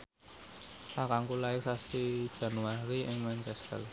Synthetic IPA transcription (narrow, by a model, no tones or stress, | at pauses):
lakaŋkulaɪksasid̥ʒ̥ä̤nuwaɾiʔɪŋmant͡ʃɛst̪ə̰l